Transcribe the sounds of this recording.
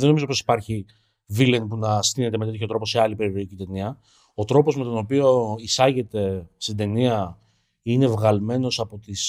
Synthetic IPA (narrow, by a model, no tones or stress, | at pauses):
eno̞mizo̞po̞si̥pɐɾçi | vilenpunɐst̪ine̞t̪e̞met̪et̪ço̞t̪ɾo̞po̞seɐlipe̞ɾiɾo̞icit̪e̞niɐ | ot̪ɾo̞po̞zme̞t̪o̞no̞pio̞isɐʝe̞t̪e̞st̪ind̪e̞niɐ | ine̞vɣɐlme̞no̞sɐpo̞t̪is